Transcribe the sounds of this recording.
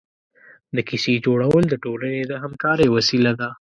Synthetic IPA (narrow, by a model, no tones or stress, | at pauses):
d̪əkised͡ʒoɽawəld̪əʈolaned̪əɦamkɑɾewasilad̪a